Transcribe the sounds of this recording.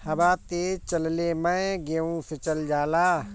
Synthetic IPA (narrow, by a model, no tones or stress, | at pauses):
hɐbaːt̪eːt͡ʃəllemə̃ɡeũset͡ʃəld͡ʒaːlaː